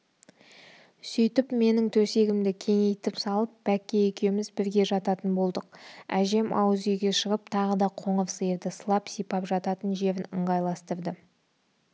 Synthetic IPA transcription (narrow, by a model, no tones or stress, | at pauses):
sʏjt̪ɪpme̞nɪŋt̪ʰɵse̞ɡʲɪmd̪ɪkʲʰe̞ŋe̞jt̪ɪpsɑlˠəp̚b̥ækʲːe̞ekʲe̞wmɪzbɪɾɡʲe̞ʒɑt̪ɑt̪ənbo̞lˠd̪əqæʒe̞mɑ̰wəzejɡʲe̞ʃəʁəp̚t̪ʰɑʁəd̪ɑqʰo̞ɴəvsəjəɾd̪ɪsəlˠɑpsijpɑpʒɑt̪ɑt̪ənʒe̞ɾɪnə̰ɴʁɑjlˠɑst̪əɾd̪ə